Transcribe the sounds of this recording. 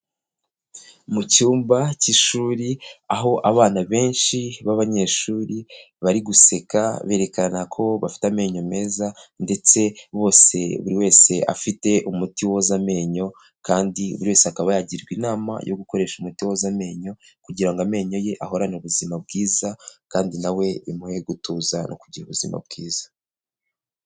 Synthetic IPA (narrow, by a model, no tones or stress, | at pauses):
mucuːmbaciʃuːɾiaɦo̞ʔaβaːnaβe̞ːnʃiβaβaɲe̞ʃuːɾi | βaɾiɡuse̞kaβe̞ːɾe̞kanakʰo̞βafi̥tame̞ːɲo̞me̞ːzande̞t͡se̞βo̞ːse̞̰βuɾiwe̞ːse̞ʔa̰fite̞ʔumutiwo̞zame̞ːɲo̞ | kaːndiṵβuɾiwe̞ːseakaβajaɟiɾɡwinaːma̰jo̰ɡuko̞ɾe̞ːʃumutiwozame̞ːɲo̞ | kuɟiɾaŋɡame̞ːɲo̞je̞ʔaho̞ɾaneuβuzimabɡiːzakaːndinawe̞imuheɡutuːzanʔo̰kuɟiɾuβuzḭma̰b̚ɡiːz̥ḁ